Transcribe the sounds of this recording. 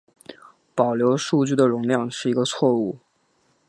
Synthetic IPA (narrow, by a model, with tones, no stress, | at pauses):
pɑ˨˩ʊljo˧˥ʊʂu˥˧t͡ɕy˥˩d̪ə˩ɻʊ˧˥ŋljɑ˥˧ŋʂɻ̩˥˩i˧˥ɡə˧t͡sʰwɔ˥˧u˥˩